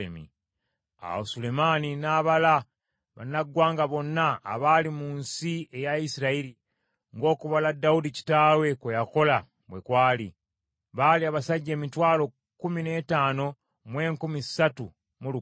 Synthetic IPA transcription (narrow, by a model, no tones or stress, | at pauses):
emḭ | a̰wosule̞maninaːβala | βa̰naɡːwaːŋɡaβo̞nːa̰ːβalimunsie̞jaisiɾaiɾi | ŋɡo̞ːkuβaladːaudici̥taːwe̞kwejako̞la | βwekwaːli | βaliaβasaɟːe̞ːmitwaːlo̞ | kumine̞ːtaːno̞ | mwe̞ːŋkumisatu | mulu